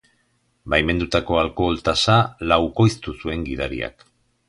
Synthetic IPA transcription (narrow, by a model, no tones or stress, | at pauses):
bajme̞nd̪ut̪ako̞alko̞lt̪asalawko̞jst̪usue̞ŋɡið̞aɾḭa̰k